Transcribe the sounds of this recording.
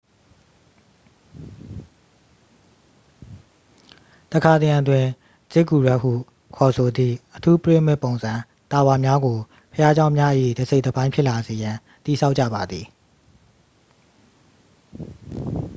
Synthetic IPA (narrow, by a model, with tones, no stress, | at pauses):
t̪əkʰa˨t̪ə˨jã˨twɪ̃˨ | z̥ɪ˦˨ku˨ɹwɛ˦ʔhṵ˦˨ | kʰɔ˨sʰo˨d̪ḭ˦˨ʔətʰu˦pɹe˦˨m̥ɪ̃˦˨põ˨ʊ̃nzã˨ | t̪a˨wa˨mja˦ɡo˨ | pʰəja˦d͡ʑã˦ʊ̃mja˦ʔəʔḭ˦˨də˨se˦ɪdə˨bã˦ɪ̃mpʰjɪ˦ʔla˨ze˨jã˨ | t̪i˨sʰa˦ʊʔt͡ɕːä̰˦˨ba˨d̪ði˨